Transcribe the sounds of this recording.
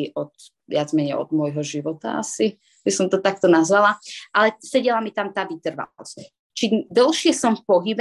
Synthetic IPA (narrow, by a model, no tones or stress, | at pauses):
iʔɔt̪ | ʋɪad͡zmɛɲɛɔ̰d̪mʊɔjɦɔʒiʋɔt̪a̰a̰si | bisɔmt̪ɔt̪ak̚t̪ɔnazʋalaʔalɛsɛɟɛlamit̪amt̪aːʋit̪r̩ʋa̰ɔ̰s | t͡ʃid̪ɔlʃɪɛsɔmfpɔɦib